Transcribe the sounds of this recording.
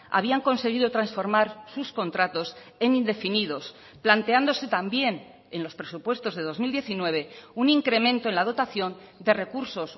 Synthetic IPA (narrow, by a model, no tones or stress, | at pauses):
a̰β̞iaŋko̞nse̞ɣ̞iðot̪ɾansfo̞ɾmaɾsusko̞nt̪ɾat̪o̞se̞nind̪e̞finiðo̞s | plant̪eand̪o̞se̞t̪ambje̞n | enlo̞spɾe̞supwe̞st̪o̞zðe̞ð̞o̞zmild̪je̞θinwe̞β̞e̞uniŋkɾe̞mẽnt̪oe̞nlað̞o̞t̪aθjo̞nd̪e̞re̞kuɾso̞s